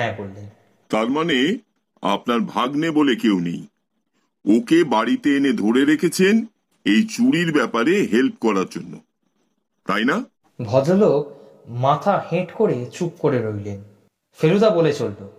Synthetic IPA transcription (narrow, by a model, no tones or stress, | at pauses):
ɛkoɾlːen | t̪aɾmane | a̰pnaɾbʱaɡnebolekewnḛj | okebaɽit̪eened̪ʱoɾeɾekʰet͡ɕʰen | ejt͡ɕuɽiɾbɛpaɾeɦelp̚kɔɾaɾd͡ʑonːo̰ | t̪ajna | bʱɔd͡ʑolok | mat̪ʰaheʈkoɾet͡ɕukːoɾeɾojlen | feɾud̪abolet͡ɕolt̪o